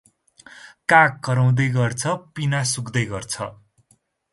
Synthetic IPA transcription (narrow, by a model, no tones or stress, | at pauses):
kakːʌɾaw̃d̪ʌjɡʌrt͡sʰʌpinasukd̪ʌjɡʌrt͡sʰʌ